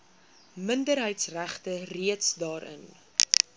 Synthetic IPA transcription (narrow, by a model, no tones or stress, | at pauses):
məndəɾɦəjtsræχtəriətsdɑːɾə̰n